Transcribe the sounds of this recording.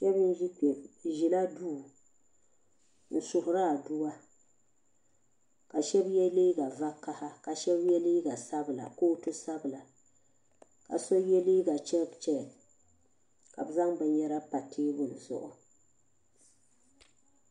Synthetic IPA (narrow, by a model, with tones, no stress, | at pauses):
ʃɛ˦bn˦ʒi˦k͡pɛ˨ʒi˨la˦duː˦˨ | n̩˨sʊ˨hʊ˨ɾa˦˨du˦wa˦ | ka˨ʃɛ˦bjɛ˦liː˦ɡa˨va˦ka˦ha˦ka˨ʃɛ˦bjɛ˦liː˦ɡa˨sa˦bɨ˨la̰˨koː˦tʊ˦sa˦bla˨ | ka̰˨so˦jɛ˦liː˦ɡa˨t͡ʃɛ˦t͡ʃɛ˦˨ | ka̰˨bɨ˨za˦ŋbɛ˨ɲɛ˦ɾa˦pa˨tʰɪː˦bʊ˦˨n̩˨zʊ̰˨ʔʊ˨